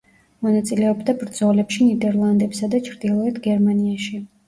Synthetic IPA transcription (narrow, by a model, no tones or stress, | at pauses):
mɔnat̪sʼilɛɔbd̪abɾd̪zɔlɛpʃinid̪ɛɾlˠand̪ɛpsad̪at͡ʃʰɾd̪ilˠɔɛt̪ʰɡɛɾmaniaʃi